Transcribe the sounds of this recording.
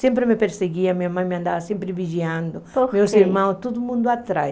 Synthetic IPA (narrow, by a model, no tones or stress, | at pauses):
sẽmpɾɪmepeɾseɡiɐmiɲamãjmeãnd̪avɐsẽmpɾɪviʒiãnd̪ʊomewseɾmãwt̪od̪ʊmũnd̪ʊat̪ɾaj